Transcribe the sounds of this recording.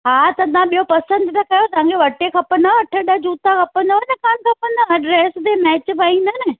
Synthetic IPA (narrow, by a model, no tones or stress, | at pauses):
ɦaːt̪ɐd̪ʱãɓijopɐsə̃nd̪t̪ɐkɐjot̪ɐãːŋɡʰeʋɐʈekʰɐpənɐɐʈʰəɗəd͡ʑuːt̪akʰɐpə̃nd̪oɐnɐkaːnkʰɐpənɐɐɖɾeːsd̪emɛːt͡ɕpɐĩn̆d̪ɐnɪ